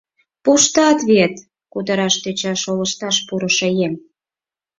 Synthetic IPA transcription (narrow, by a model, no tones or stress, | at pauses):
puʃt̪ɑt̪βet̪ | kud̪əɾɑʃt̪øt͡ɕɑʃoləʃt̪ɑʃpuɾə̆ʃejem